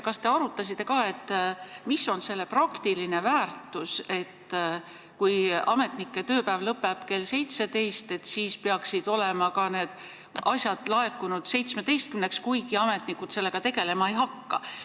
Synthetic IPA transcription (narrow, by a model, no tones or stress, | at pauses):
kɑst̪e̞ɑɾut̪ːˑɑs̬ʲit̪ˑːe̞kɑːe̞t̪ːmisːo̞nse̞lːeprɑkt̪iline̞væːrt̪ːˑuse̞t̪ː | kujɑme̞t̪nikːe̞t̪ø̞ːpæːvlɤpːˑeb̥ke̞lse̞jt̪se̞t̪e̞jst̪e̞t̪ːsiːspeɑksid̪̥o̞le̞mɑkɑne̞ːd̪̥ | ɑsʲjɑd̪̥lɑe̞kːunud̪̥se̞jt̪smed̪e̞jst̪kymnekskujɡiɑme̞t̪ˑnikut̪se̞lːe̞ɡ̥ɑt̪e̞ɡe̞le̞mɑejɦɑkːɑ̰